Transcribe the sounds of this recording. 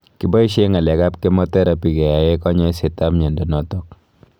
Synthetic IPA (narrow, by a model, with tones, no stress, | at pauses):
ki˨bɔ˦i˦ʃe˦ŋa˨lɛ˨ka˦pke˦mɔ˦tɛ˦ɾa˦pi˨kɛ˨ja˨je˦kɔ˦ɲɔ˦i˦se˨ta˦mɲe˨ndɔ˨nɔ˦tɔ˦k̚